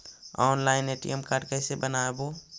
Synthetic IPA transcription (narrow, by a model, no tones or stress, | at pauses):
ɔːnlaːɪneːʈḭɛmkaːɾɖkɛɪsebənaːeboː